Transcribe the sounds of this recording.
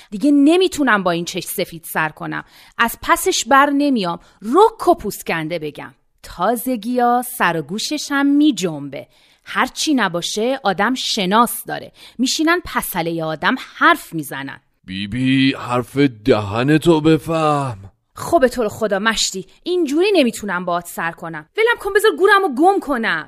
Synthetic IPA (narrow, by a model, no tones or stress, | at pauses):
d̪iɟene̞miːt̪ʰunæmbɒːiːnt͡ʃʰe̞ʃse̞fiːd̪̥sæɾkʰo̞næ̰m | ʔæz̥pʰæse̞ʃbæɾne̞mijɒːm | rokʰːo̞pʰuscænd̪ebe̞ɟæ̰m | t̪ʰɒːze̞ɡijɒːsæɾɒɡuːʃe̞ʃæmːiːd͡ʒombe̞̰ | hæɾt͡ʃʰinæbɒːʃeʔɒːd̪æmʃe̞nɒːsd̪ɒ̰ːɾe̞̰miːʃiːnænpʰæsælejeɒːd̪æmhæɾfmiːzænæ̰n̥ | b̥ibihæɾfed̪æɦænet̪ʰobe̞fæhm | χobet̪ʰoːɾexo̞d̪ɒːmæʃt̪iː | ʔind͡ʒuːɾiːne̞miːt̪ʰunæmbɒːt̪ʰsæɾkʰo̞næmvelæmkʰombezɒɾɡuːɾæmoɡomkʰo̞næm